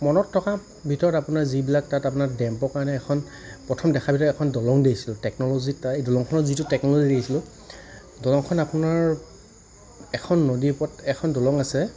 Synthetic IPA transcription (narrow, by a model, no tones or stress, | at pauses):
mɔnɔtʰːɔka | bʱitɔɹɔtapunaɹzibilak̚tatapʊnaɹdɛmpɔkaɹnɛɛkʰɔn | pɹɔtʰɔmdɛkʰabʱitɔɹɔɛkʰɔndɔlɔŋdejsilʊ̃tɛknɔlozitaejdɔlɔŋkʰɔnɔzitʊtɛknɔlozidejsilʊ̃ | dɔlɔŋkʰɔnapʊnaɹ | ɛkʰɔnːodipɔtɛkʰɔndɔlɔŋasɛ